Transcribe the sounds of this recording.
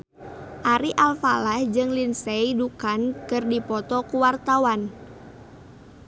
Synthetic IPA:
ʔaɾiʔalfalahd͡ʒɨŋlinseidukankɨrdipɔt̪ɔkuwart̪awan

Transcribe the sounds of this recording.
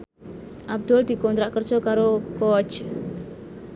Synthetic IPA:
ʔab̚d̪̥ʊld̪̥i̤kɔnt̪ɾaʔkər̥d͡ʒɔkaɾokoɔd͡ʒ

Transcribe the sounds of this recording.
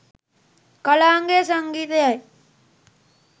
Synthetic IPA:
kɐlaːŋɡeːsɐŋɡiːt̪ɐjaj

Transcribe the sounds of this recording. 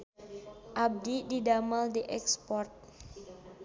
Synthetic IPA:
ʔab̚dididamaldiʔɛkspɔrt̪̚

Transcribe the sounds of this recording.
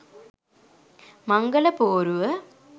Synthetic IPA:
maŋɡələpoːɾuʋə

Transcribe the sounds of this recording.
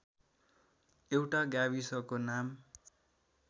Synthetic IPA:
ewʈaɡjabisʌkonam

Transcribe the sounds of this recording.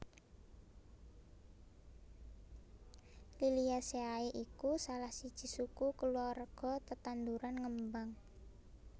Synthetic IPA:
liliaseaeʔikusalahsid̥ʒ̥i̤sukukəluarɡ̥ɔ̤t̪ət̪and̪uɾanŋəmbaŋ

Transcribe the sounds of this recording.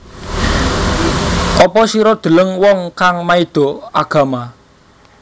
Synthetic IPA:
ʔɔpɔsiɾɔd̪̥ə̤ləŋwɔŋkaŋmaid̪̥o̤aɡ̥ä̤ma

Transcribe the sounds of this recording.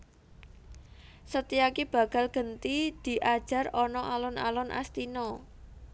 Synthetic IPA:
sət̪iakib̥ä̤ɡ̥a̤lɡ̥ə̤nt̪id̪̥i̤ʔad̥ʒ̥ä̤rɔnɔʔalɔna̰lɔnʔa̰st̪inɔ

